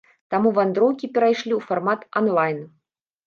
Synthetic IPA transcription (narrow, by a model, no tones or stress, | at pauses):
t̪amuvand̪ɾɔwkʲipʲɛɾajʂlʲiwfarmat̪anlˠajn